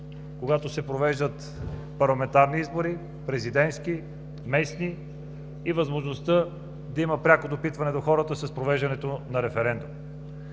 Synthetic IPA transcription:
koɡat̪osɛpɾovɛʒd̪ət̪ | pɐɾlˠɐmɛnt̪aɾniizboɾi | pɾɛzid̪ɛnt̪ski | mɛsniː | vɐzmoʒnost̪ə | d̪ɐiməpɾʲakod̪opit̪vɐnɛd̪oxɔɾət̪əsɐspɾovɛʒd̪ɐnɛt̪onɐɾɛfɛɾɛnd̪um

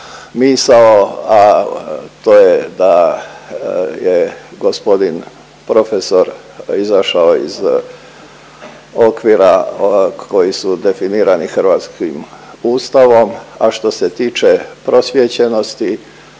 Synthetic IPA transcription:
miːsaoa | t̪oːjed̪a | jeɡo̞spo̞d̪in | pɾo̞feso̞ɾ | izaʃaoḭz | o̞kʋiɾa | ko̞jisud̪e̞finiːɾanixr̩ʋaːt̪skim | uːst̪aʋo̞maʃt̪o̞se̞t̪iːt͡ʃepɾo̞sʋjet͡ɕeno̞st̪i

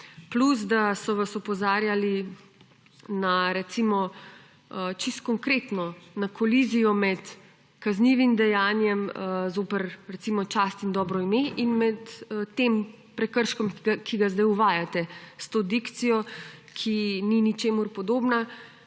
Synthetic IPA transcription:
pluz̬d̪asɔʋasɔpɔzaːɾjali | naɾɛt̪simɔ | ət͡ʃist̪kɔŋkɾet̪nɔnakʰɔlizijɔmɛt̪ | kazniʋimd̪ɛjaːnjɛməzoːpɛɾɾɛt̪imɔt͡ʃaːst̪ind̪ɔːbɾɔimeʔinmɛt̪t̪ːem | pɾɛkəɾʃkɔmkiakiɡazd̪ajuʋaːjat̪ɛst̪oːd̪ikt̪sijɔkʰininit͡ʃeːmuɾpɔd̪oːbna

